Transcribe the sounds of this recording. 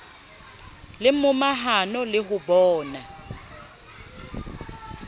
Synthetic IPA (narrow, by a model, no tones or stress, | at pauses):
lɪmʊmaɦanɔlɪɦʊbɔːna